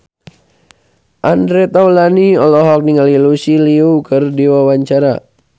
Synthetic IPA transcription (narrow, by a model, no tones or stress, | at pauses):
ʔandɾɛt̪awlaniɔlɔɦɔk̚niŋalilusiliukɨrdiwawaɲt͡ʃaɾa̰